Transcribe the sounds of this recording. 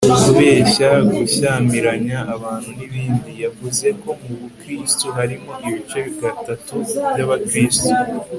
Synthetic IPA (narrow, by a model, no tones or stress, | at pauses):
uzuβe̞ːçaɡuçaːmiɾaɲaːβaːn̥huniβiːndijavuze̞ko̞muβukɾistuɦaɾimo̞ʔiβit͡ʃe̞βiɡatatuβjaβakɾiːstu